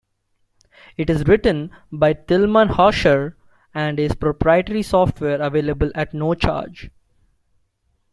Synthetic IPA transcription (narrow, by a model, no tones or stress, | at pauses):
ɪʈɪzɾɪʈə̃nbaɪt̪ɪlmə̃nhaːʃəɾ | æ̃ɳɖɪzpɾopɾaɪəʈəɾisɔːfʈʋeːɾəʋeːlebəlæʈnoːt͡ʃa̰ːɾd͡ʒ